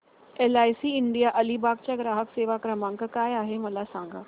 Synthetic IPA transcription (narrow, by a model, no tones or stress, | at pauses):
elajsiːɪɳɖijaʔəlibaɡt͡ɕaɡɾaːɦəkseːʋakɾəmãŋkəkaːjaɦeməlasãŋɡa̰